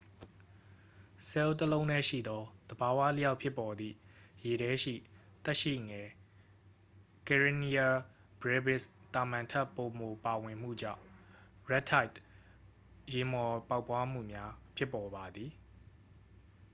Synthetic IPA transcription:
sɛ˦o˦tːəlõ˦ʊ̃nɛ˦˨ʃḭ˦˨d̪ɔ˦d̪̥əba˨wa̰˦˨lə˦ja˦ʊʔpʰjɪ˦pːɔ˨d̪ðḭ˦˨je˨ɾɛ˦ʃḭ˦˨t̪ɛ˦ʔʃḭ˦˨ŋɛ˨ | kɛ˨ɹi˨ni˦a˨ | bɹɛ˦bɪ˦st̪a˨mã˨ntʰa˦˨pːo˨mo˨pa˨wɪ̃˨m̥ṵ˦˨d͡ʑã̰˦˨ɹɛ˦tʰa˦ɪt | je˨mɔ˨pa˦ʊpːwa˦m̥ṵ˦˨mja˦pʰjɪ˦pːɔ˨ba˨d̪ði˨

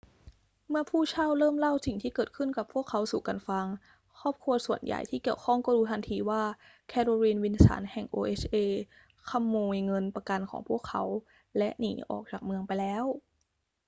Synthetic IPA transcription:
mɯ˥˩ɐpʰuː˥˩t͡ɕʰa˥˩wɾɤː˥˩mla˥˩wsi˨˩ŋt̪ʰiː˥˩kɤː˨˩t̪̚kʰɯ˥˩nka˨˩pʰu˥˩əkʰːa˦˥wsuː˨˩ka˧nfa˧ŋ | kʰɔː˥˩p̚kʰu˧ɐsu˨˩ənja̰˨˩jt̪ʰiː˥˩ki˨˩əwkʰɔ˥˩ŋkɔː˥˩duː˧t̪ʰa˧nt̪ʰiː˧waː˥˩ | kʰɛː˧tʰo˧ɾiː˧nwi˧nsa̰ː˩˦nhɛ˨˩ŋʔoː˧ʔeː˦˥t͡ɕʰʔeː˧ | kʰa˧˥mːoː˧jŋɤ˧npa˧ka˧nkʰɔ̰ː˩˦ŋpʰu˥˩əkʰːa˦˥w | lɛ˦˥ʔnḭː˩˦ʔɔ̰ː˨˩k̚t͡ɕaː˨˩k̚mɯ˧əŋpa˧jlɛː˦˥w

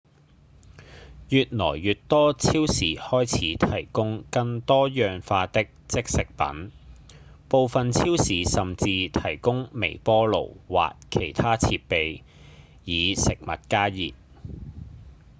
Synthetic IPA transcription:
jyː˨t̚nɔ̰ː˨˩jːyː˨˩tt̪ɔː˥t͡sʰiː˥wsiː˨˩hɔː˥jt͡sʰiː˨˥t̪ʰɐ˨˩jkʊ˥ŋkɐ˧ŋt̪ɔː˥jœː˨ŋfaː˧t̪ɪ˥k̚t͡sɪ˥k̚sɪ˨k̚pɐ̰˨˥n | po˨˧wfɐ˨nt͡sʰiː˥wsiː˨˥sɐ˨mt͡siː˧t̪ʰɐ˨˩jkʊ˥ŋmḛ˨˩jpɔː˥lo̰˨˩wwa̰ː˨kkʰe˨˩jt̪ʰaː˥t͡sʰiː˧t̚pe˨j | jiː˨˧sɪ˨k̚mɐ̰˨t̚kaː˥jiː˨p̚

